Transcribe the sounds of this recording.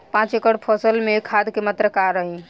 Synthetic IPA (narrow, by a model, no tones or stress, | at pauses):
pãt͡ʃekəɽpʰəsəlmekʰad̪kemət̪ɾəkaɾəɦĩ